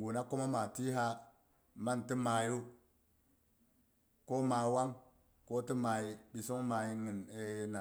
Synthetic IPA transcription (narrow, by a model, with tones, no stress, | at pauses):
ɡu˨na˦ko˦ma˦ma˨ti˦ɦa˦ | ma˦n˨ti˦ma˨ju˦ | ko˦ma˨wa˦ŋ | ko˦ti˦ma˨ji˨bi˨so˦ŋ˦ma˨ji˦ŋi˨ne˨na˨